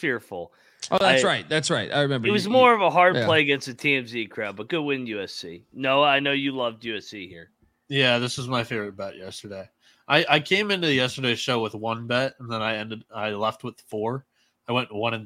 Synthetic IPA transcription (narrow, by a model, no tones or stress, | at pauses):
fɪɹfl̩ˠ | ʔoʊðææɪsɹaɪt̪̚ðætsɹaɪta̰ɪɹɨmɛ̃mbəɨt̚wʌzmɔɹʌvəɦɑɹd̚pʰl̥eɪɨɡɛ̃nstɨtʰiɛ̃msikʰɹ̥æb̚ʌt̚ɡ̥ʊd̚wɪ̃njʉɛsḭnoʊaɪnoʊjɨlʌvdjʉɛsihḭɹ | jæðɪsɨzmaɪfeɪvɹɨt̚b̥ɛʔjɛstə˞deɪ | ʔaɪʔaɪkʰẽɪ̃mɪ̃ntʉðɨjɛstə˞deɪʃoʊwəðwʌ̃nbɛt̚ə̃n̩ðə̃naɪɛ̃ndɨɾaɪlɛft̚wəð̥fɔɹ | aɪwɛ̃nʔwʌ̃ñɨ̃n